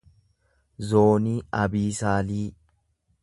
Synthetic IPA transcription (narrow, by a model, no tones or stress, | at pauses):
zoːniːɐbiːsaːliː